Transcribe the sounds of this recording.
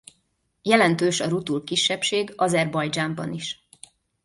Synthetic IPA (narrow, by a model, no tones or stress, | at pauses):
jɛlɛnt̪øːʃɒɾut̪ulkiʃːɛpʃeːɡɒzɛrbɒjd͡ʒaːmbɒ̰niʃ